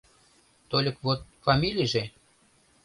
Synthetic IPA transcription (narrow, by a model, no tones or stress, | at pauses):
t̪olʲəkβot̪̚fɑmʲilʲijʒe